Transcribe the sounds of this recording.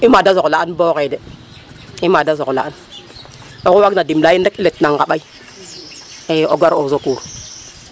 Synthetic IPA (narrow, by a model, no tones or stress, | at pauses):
imadazolaanboɣede | imadazokla̰an | okuwaɡnadimlajindakiletnaŋɡaɓai | eoɡaɾozokuɾ